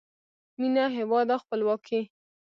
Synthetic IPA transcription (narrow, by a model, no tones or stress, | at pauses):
minaɦɪwɑd̪axpəlwɑkʰe